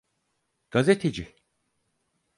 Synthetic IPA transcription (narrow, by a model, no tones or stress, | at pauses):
ɡ̥azet̪ʰed͡ʒɪ